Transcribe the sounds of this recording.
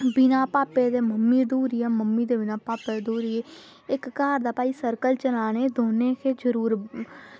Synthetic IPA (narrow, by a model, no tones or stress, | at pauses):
bɪnãːpaːpeːd̪eːməmːiːd̪uːɾɪjaːməmːiːd̪eːbɪnãːpaːpeːd̪uːɾɪeː | ɪkːaːɾd̪aːpaːiːsəɾkəlt͡ʃəlaːneːd̪oːneːkʰeːd͡ʒəɾuːɾ